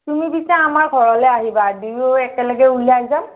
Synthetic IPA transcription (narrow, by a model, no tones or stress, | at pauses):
tumibisaːmaɹɡʱɔɹɔlɛaɦibadijɛkɛləɡɛuliaza